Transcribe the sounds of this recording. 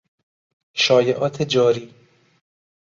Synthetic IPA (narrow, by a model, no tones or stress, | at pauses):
ʃɒːjeʔɒːt̪ʰed͡ʒɒːɾiː